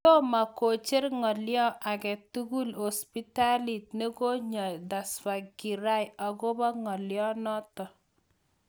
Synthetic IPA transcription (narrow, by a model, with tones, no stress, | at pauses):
tɔ˦ma˨ko˨t͡ʃe˦rŋɔ˨ljɔ˦ʔa˨kɛ˨tu˦ɡu˦lo˨spi˦ta˦li˨t̚ne˦ko˦ɲɔ˨jda˨sfa˨ɡi˨ɾa˦ja˨ɡɔ˦bɔ˦ŋɔ˨ljɔ˦nɔ˦tɔ˨